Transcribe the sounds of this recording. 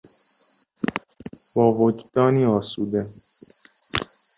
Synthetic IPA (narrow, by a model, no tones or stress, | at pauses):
bɒːvod͡ʒd̪̥ɒːniːɒːsuːd̪e